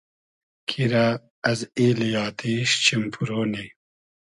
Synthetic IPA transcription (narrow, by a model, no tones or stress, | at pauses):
kʰiɾa | ɐziːlijaːt̪ʰiːɕt͡ɕimpʰuɾoːni